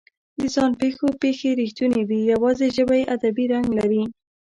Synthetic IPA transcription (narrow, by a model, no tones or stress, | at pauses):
d̪əzɑnpexopexeɾixt̪uned̪ijawɑzeʒəbajeʔad̪abiɾaŋɡlaɾi